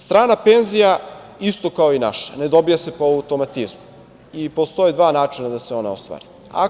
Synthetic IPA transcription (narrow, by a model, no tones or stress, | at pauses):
st̪ɾaːnapenzija | ist̪o̞kaoinaʃḁne̞d̪o̞bijase̞poaut̪o̞mat̪izmu | ipo̞st̪o̞jed̪ʋaːnaːt͡ʃinad̪aseo̞na̰o̰st̪ʋa̰ɾi | a̰